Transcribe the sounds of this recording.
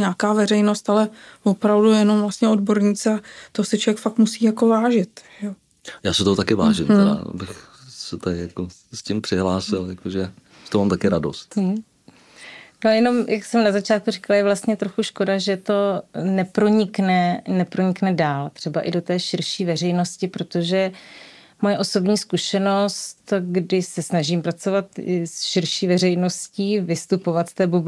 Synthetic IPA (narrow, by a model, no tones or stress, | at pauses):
ɲaːkaːvɛɾɛjnost̪alɛvopɾavdujɛno̞mvlast̪ɲɛo̞dbo̞ɾɲiːt͡sɛat̪osɪt͡ʃovjɛkfak̚t̪musiːjakovaːʒɪt̪ʒɛo | jaːsɪt̪oɦot̪akɪvaːʒɪmt̪ɛɾa̰a̰bɪx | sɛt̪aɪjako | scɪmpr̥ɪɦlaːsɪljakoʒɛ | ʒɛt̪omaːmt̪akɪɾadost̪̩ | nojɛno̞mjʔaksɛmnazat͡ʃaːt̪̚kurɪkaljɛvlast̪ɲɛt̪ɾoxuʃko̞daʒɛt̪o̞nɛpɾo̞ɲɪknɛnɛpɾoɲɪknɛdaːlt̪r̥ɛbaʔɪdo̞t̪ɛːʃɪɾʃiːvɛr̝ɛjno̞scɪpɾo̞t̪oʒɛ | mo̞jɛʔo̞so̞bɲiːskuʃɛno̞st̪ɡdɪsɛsnaʒiːmpɾat͡so̞vat̪ɪsʃɪɾʃiːvɛrɛjno̞sciːvɪst̪upo̞vat̪st̪ɛːbob